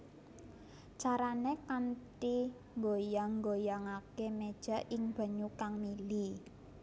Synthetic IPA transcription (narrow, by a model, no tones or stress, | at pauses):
t͡ʃaɾanekant̪i | ŋɡojaŋŋɡojaŋakemed̥ʒ̥a̤ʔɪŋb̥a̤ɲukaŋmili